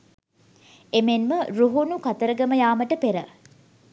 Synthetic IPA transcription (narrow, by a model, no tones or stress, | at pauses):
emenməɾuɦunukɐt̪əɾəɡɐməjaːməʈəpeɾə